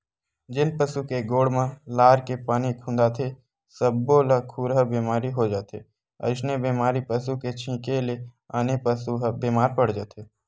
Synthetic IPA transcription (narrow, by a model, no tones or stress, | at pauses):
d͡ʒɪnpəsukeɡoːɽmãlaːɾkepaːnikʰũːnd̪aːt̪ʰe | səbːoləkʰuːɾɦəbeːmaːɾiɦod͡ʒaːt̪ʰḛ | ə̰ɪʃnebeːmaːɾipəsuket͡ʃʰĩːkele | aːnepəsubeːmaːɾpəɽ̤d͡ʒəːt̪ʰeː